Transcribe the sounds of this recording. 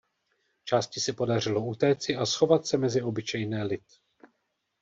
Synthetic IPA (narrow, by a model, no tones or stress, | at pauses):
t͡ʃaːscɪsɛpo̞dar̝ɪlo̞ut̪ɛːt͡sɪʔasxo̞vat̪sɛmɛzɪo̞bɪt͡ʃɛjnɛːlɪt̪